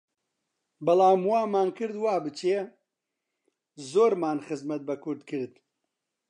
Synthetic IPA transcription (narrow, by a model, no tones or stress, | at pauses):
bɐlaːmwaːmaːnkɨɾd̪waːbɨt͡ʃe | zoːɾmaːnxɨzmɐt̪̚bɐkuɾd̪kʰɨɾd̪̚